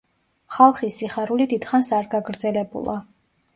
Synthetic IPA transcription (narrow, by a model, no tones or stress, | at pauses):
χalˠχisiχaɾulid̪id̪̥χansaɾɡaɡɾd̪zɛlɛbṵlˠa̰